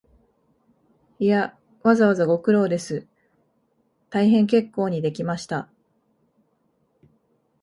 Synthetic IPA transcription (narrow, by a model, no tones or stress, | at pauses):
ija | βazaβazaɡo̞kɯ̟ɾo̞ːd̪e̞sɨ | t̪aiɦẽ̞ŋk̬e̞kːo̞ːɲ̟id̪e̞kʲimaɕi̥t̪a